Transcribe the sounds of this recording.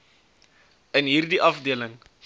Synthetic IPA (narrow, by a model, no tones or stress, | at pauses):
ənɦiːrdiʔɐfdiələŋ